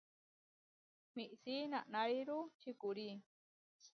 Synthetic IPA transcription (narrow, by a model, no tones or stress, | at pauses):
miʔsinaʔnaɾiɾut͡ʃikuɾi